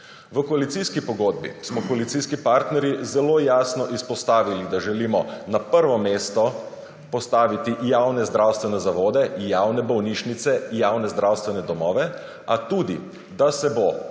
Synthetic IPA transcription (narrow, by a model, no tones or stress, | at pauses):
ʋəkɔalit̪siskipɔɡoːd̪̚bḭsmɔkɔalit̪siskipaɾt̪nɛɾjizɛlojaːsnɔʔispɔst̪aːʋilid̪aʒɛliːmɔnapəɾʋɔmeːst̪ɔ | pɔst̪aːʋit̪ijawnɛzd̪ɾawst̪ʋɛnɛzaʋoːd̪ɛjaːwnɛbɔwniʃnit̪sɛjaːwnɛzd̪ɾawst̪ʋɛnɛd̪ɔmɔːʋɛ | at̪uːd̪ḭ | d̪asɛbo